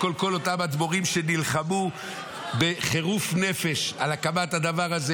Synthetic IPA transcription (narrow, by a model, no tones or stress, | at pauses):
kolko̞lo̞t̪amad̪boʁimʃe̞nilχamu | be̞χe̞ʁufne̞fe̞ʃalakamathad̪avaʁaze